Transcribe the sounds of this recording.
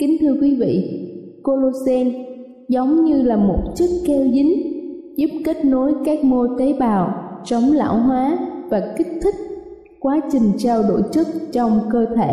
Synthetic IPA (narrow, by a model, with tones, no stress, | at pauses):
kï˨˦ŋ̟t̪ʰɨ˧əkwi˨˦vḭ˧˨ | ko˧lo˧sɛ˧n | zə˨˦wŋ͡mɲɨ˧laː˨˩mo˨˩t̚t͡ɕɨ˦˥k̚kɛ˧wzi˨˦ŋ̟zu˦˥p̚ke˦˥t̚no˨˦jkaː˦˥k̚mo˧t̪ə˨˦ɓaː˨˩wt͡ɕə˨˦wŋ͡mla̰ː˧˥˨wɦwaː˨˦vaː˨˩kï˦˥k̚t̪ʰï˦˥k̚ | kwaː˨˦t͡ɕï˨˩ŋ̟t͡ɕaː˧wɗo̰˧˩jt͡ɕɨ˦˥k̚t͡ɕɔ˧wŋ͡mkəː˧t̪ʰe˧˩˨